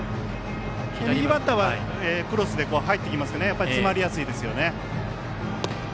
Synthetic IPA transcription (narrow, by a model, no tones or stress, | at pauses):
eiibat̪ːaβa | eːkɯ̟ɾo̞sɨd̪e̞ko̞ːɦait̪ːe̞kʲimasɨ̥kne̞japːaɾisɨmaɾʲijasɨiːd̪e̞sɨjo̞ne̞